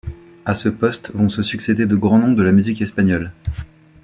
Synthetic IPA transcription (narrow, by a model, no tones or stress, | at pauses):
asəpɔst̪vɔ̃səsyksed̪ed̪əɡʁɑ̃nɔ̃d̪əlamyzikɛspaɲɔl